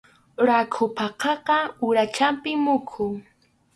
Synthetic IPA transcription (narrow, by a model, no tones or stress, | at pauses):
ɾakʰʊpɑqɑqɑʊɾat͡ʃampɪmʊkʰʊŋ